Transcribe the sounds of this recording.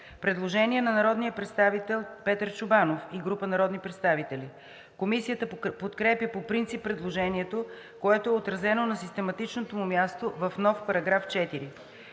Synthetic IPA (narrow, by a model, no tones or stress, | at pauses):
pɾɛd̪lˠoʒɛniɛnɐnɐɾɔd̪nijəpɾɛt̪st̪avit̪ɛlˠpɛt̪əɾt͡ʃʊbanofiɡɾupənɐɾɔd̪nipɾɛt̪st̪avit̪ɛli | komisijət̪əpot̪kɾɛpipopɾint̪sipːɾɛd̪lˠoʒɛniɛt̪o | koɛt̪oɛot̪ɾɐzɛnonɐsist̪ɛmɐt̪it͡ʃnot̪omumʲjast̪ovɐfnɔfpɐɾɐɡɾaft͡ʃɛt̪iɾi